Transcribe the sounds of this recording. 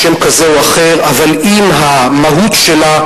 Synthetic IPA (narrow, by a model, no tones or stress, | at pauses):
emkazeoaχeʁaval | imɦa | maɦut̪ʃela